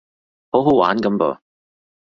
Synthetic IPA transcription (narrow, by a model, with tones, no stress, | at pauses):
ho˨˥wɦo˨˥wa̰ː˨˥nkɐ˨˦mpɔ̰ː˨